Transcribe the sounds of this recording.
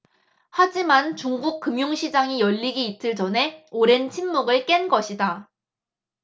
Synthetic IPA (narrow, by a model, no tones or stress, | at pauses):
had͡ʑimant͡ɕuŋɡuk̚k͈ɯmjoŋɕʰid͡ʑaŋijʌʎːiɡiːt͈ʰɯɭt͡ɕʌnɦe̞oɾe̞nt͡ɕʰinmuɡɯɭk͈e̞nɡʌɕʰida